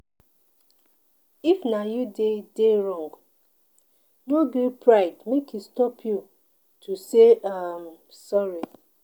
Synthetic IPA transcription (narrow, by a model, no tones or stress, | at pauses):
ifnajudedeɹɔ̃ŋɡ | noɡupʰɹaɪdmekʰistɔpʰju | tʰuseam | sɔɹi